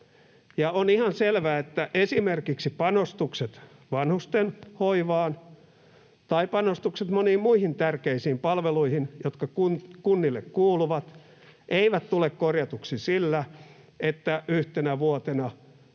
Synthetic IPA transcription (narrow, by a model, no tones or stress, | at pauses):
jɑonihɑnselʋæːet̪ːæʔesimerkiksipɑnost̪ukset̪ʋɑnhust̪enhoiʋɑːn | t̪ɑipɑnost̪ukset̪moniːmmuihint̪ærkeisiːmpɑlʋeluihinjot̪kɑkunkunːilːekkuːluʋɑt̪ | ʔeiʋæt̪t̪ulekkorjɑt̪uksisilːæ | et̪ːæʔyht̪enæʋuot̪enɑ